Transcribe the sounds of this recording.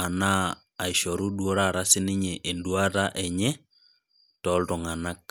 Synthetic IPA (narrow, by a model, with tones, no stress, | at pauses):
a˨naː˦˨ | i˨ʃɔ˨ɾu˦dwo˦ɾa˦˨ɾa˦sɪ˦nɪ˦ɲɛ˨ʔe˨ndwa˦ta˦ʔɛ˨ɲɛ˦ | tɔ˨˦lto˨ŋa˨na˦k̚